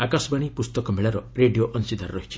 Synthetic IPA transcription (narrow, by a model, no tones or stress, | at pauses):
akasɔbaɽ̃ipust̪ɔkɔmeɭaɾɔɾeɖijoʔɔnsid̪ʱaɾɾɔɦit͡ʃʰi̥